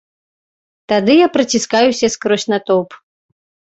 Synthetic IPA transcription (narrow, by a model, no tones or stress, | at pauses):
t̪ad̪ɨjapɾɐt͡sʲiskajusʲɐskɾɔsʲnat̪ɔp